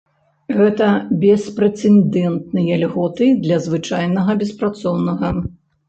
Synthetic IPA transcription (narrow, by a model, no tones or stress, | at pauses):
ɣɛt̪ɐbʲɛspɾɛt̪sɛnd̪ɛnt̪̚nɨjɐlʲɣɔt̪ɨd̪lʲɐzvɨt͡ʂajnɐɣɐbʲɛspɾat̪sɔwnɐɣɐ